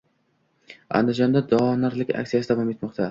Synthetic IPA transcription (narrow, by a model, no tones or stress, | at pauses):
a̰nd̪ɪd͡ʒɒnd̪ad̪ɒnaɾlɪkʲʰa̰k̚ʲsijasɪd̪avɒmjet̪mɒqt̪ʰa